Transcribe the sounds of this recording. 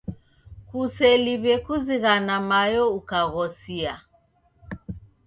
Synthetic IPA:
kusɛliβɛkuziɣanamajɔukaɣɔsia

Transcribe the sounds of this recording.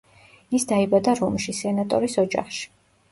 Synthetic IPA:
isd̪aibad̪aɾɔmʃisɛnat̪ʼɔ̰ɾisɔd͡ʒa̰χʃi̥

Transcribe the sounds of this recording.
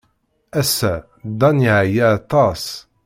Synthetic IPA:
æsːæ | d̪ɑniʕjat̪ˤɑs

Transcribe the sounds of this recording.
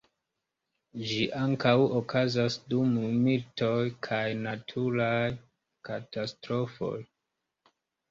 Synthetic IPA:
d͡ʒiʔaŋkawokʰazasdumumilto̞jkʰajnatʰuɾaj | katastɾo̞fo̞̰j

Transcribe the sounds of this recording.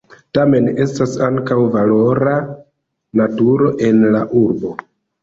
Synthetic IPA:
tame̞ne̞stasaŋkawvalo̞ɾa | natuɾo̞ʔe̞nlaʔuɾbo̞

